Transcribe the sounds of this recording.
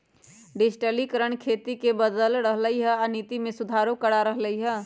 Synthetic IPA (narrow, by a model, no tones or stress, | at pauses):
ɖisʈəlikəɾəɳkʰet̪ikebəd̪əlɾəɦləjɦəanit̪imesud̪ʱaɾokəɽaɾəɦləjɦə